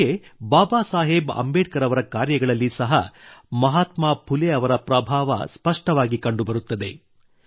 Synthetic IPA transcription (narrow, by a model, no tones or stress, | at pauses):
ebaːbaːsaːɦebɐ̰mbeːʈ̚kɐɾɐʋɐɾɐkaːɾjɐɡɐɭɐlːisɐɦɐ̰mɐɦaːt̪maːpʰuleɐʋɐɾɐpɾɐbʱaːʋɐ̰spɐʂʈɐʋaːɡikɐɳɖubɐɾut̪ːɐd̪e̞